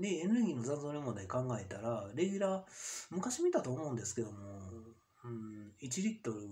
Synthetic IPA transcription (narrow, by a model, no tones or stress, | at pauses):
d̪e̞ẽnɾɯ̟ɡʲiːno̞zãnzoːɾʲemõ̞d̪aikãŋɡae̞t̪aɾaɾe̞ɡʲyɾamɯ̟kaɕimʲit̪at̪oːmo̞ɯ̟̃nd̪esɨ̥ke̞d̪o̞mo | ɯ̟̃it͡ɕiɾʲit̪ːo̞ɾɯ̟